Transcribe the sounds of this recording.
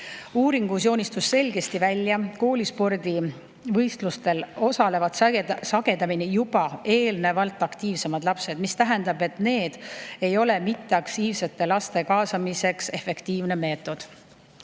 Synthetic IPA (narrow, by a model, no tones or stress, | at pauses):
uːɾiŋɡ̥us̬jo̞ːnʲist̪usːe̞lʲɡe̞st̪ivælʲːjɑko̞ːlʲispo̞rd̪i | vɤjst̪lust̪e̞lo̞sɑle̞vɑdt̪sɑɡ̥e̞d̪ɑminijubɑe̞ːlne̞vɑlt̪ːˑɑkt̪iːvse̞mɑd̪lɑpse̞d̪̥mist̪æɦɛnd̪̥ɑbe̞t̪ne̞ːd̪̥e̞jo̞le̞mit̪ːe̞ɑkt̪iːvse̞t̪ːe̞lɑst̪e̞kɑːsɑmise̞kse̞fe̞kt̪iːvne̞me̞ːt̪ːˑo̞d̪̥